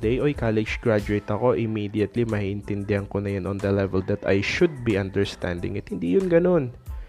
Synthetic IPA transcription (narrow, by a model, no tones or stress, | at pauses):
d̪ɛjʔoʔɪkalɛd͡ʒɡɹad͡ʒʊɛjt̪ɐko̞ʔɪmiːd̪iɐt̪limɐhiːʔɪnt̪ɪnd̪ɛhɐŋkonɐjanond̪ɐlɛvɛld̪ɐt̪a̰jʃʊd̪̚biʔɐnd̪ɛɹst̪a̰nd̪ɪ̰ŋɐt̪̚hɪnd̪iːjʊnɡɐno̞n